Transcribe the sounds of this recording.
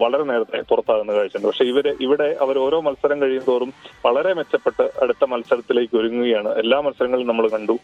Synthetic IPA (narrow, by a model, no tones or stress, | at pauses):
ʋɐɭɐɾe̞ne̞ːɾɐt̪ːe̞purɐt̪ːaːɣunːɐkaːɻit͡ɕːuɳɖɨpɐkʂe̞iʋɐɾeʔiʋiɽe̞ʔɐʋɐɾoːɾo̞ːmɐlsɐɾɐmkɐɻijund̪oːrumʋɐɭɐɾe̞met͡ɕːɐpːe̞ʈːɨɐ̰ɽut̪ːɐmɐlsɐɾɐt̪ːile̞ːkʲːoɾuŋːuɣɐjaːɳɨʔe̞lːaːmɐlsːɐɾɐŋːɐɭilnɐmːɐɭkɐɳɖu